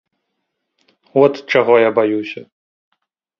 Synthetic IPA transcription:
ɔt̪t͡ʂaɣɔjabajusʲɐ

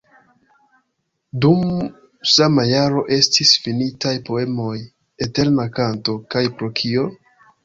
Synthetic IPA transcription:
dum | samajaɾo̞ʔe̞stisfinitajpo̞e̞mo̞j | ete̞ɾnakanto̞kajpɾo̞kʰio̞

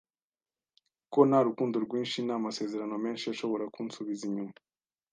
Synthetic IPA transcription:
ko̞naɾukuːndoɾɡwiːnʃinamase̞ːze̞ɾano̞me̞ːnʃiaʃo̞βo̞ɾakuːnsuβiziɲuma

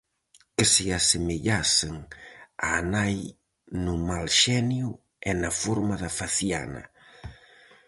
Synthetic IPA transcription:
kɪsɪasemeʎaseŋaːnaj | nʊmalʃɛnjʊ | ɛnafoɾmaðɐfaθja̰nɐ̰

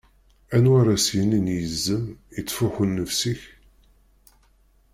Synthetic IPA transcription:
ænwaɾˤasjəninjəzːəmjət͡sːfʊħunːəfsiç

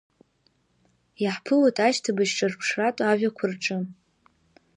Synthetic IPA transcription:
jaħpʰɨlotʼaʃtʰabaʃʈ͡ʂʼarpʰʂratʼaaʒʲᶣakʷʰʊrʈ͡ʂʼɨ

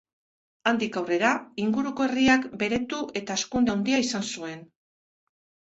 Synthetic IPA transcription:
and̪ikawre̞ɾaiŋɡuɾuko̞e̞riakbe̞ɾe̞t̪uʔe̞t̪aeskund̪eawnd̪iaisansue̞n

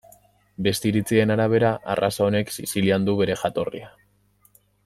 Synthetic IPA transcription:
be̞st̪iɾit͡sie̞naɾaβ̞e̞ɾaʔa̰rasao̞ne̞ksisiliand̪uβe̞ɾe̞xat̪o̞rḭa

